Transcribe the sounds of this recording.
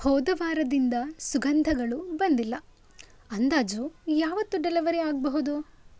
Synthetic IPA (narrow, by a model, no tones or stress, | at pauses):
hɔːd̪ɐʋaːɾɐd̪ind̪ɐsuɡɐnd̪ʱɐɡɐɭubɐnd̪ilːɐ | ɐnd̪aːd͡ʒujaːʋɐt̪ːuɖɛlɐʋɐɾeaːɡ̚bɐɦud̪u